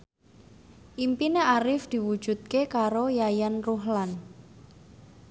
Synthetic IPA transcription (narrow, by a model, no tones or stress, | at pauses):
ʔimpineaɾɪfd̪̥i̤wud̥ʒ̥ṳt̪̚kekaɾojajanruɦlan